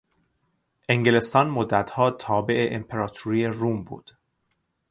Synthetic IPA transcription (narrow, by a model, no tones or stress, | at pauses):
ʔe̞ŋɡele̞st̪ɒːnmod̪ːæt̪ʰhɒːt̪ʰɒːbe̞ʔeʔempʰeɾɒːt̪ʰuɾiːjeruːmbṵːd̪̥